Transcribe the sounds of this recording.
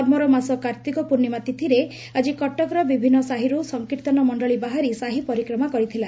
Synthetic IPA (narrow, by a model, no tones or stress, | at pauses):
ɔɾmɔɾɔmasɔkaɾt̪ikɔpuɾnimat̪it̪ʰiɾe | ad͡ʒikɔʈːɔkɾɔbibʱinːɔsaɦiɾusɔŋkiɾt̪ɔnɔmɔɳɖɔɭibaɦaɾisaɦipɔɾikɾɔmakɔɾit̪ʰila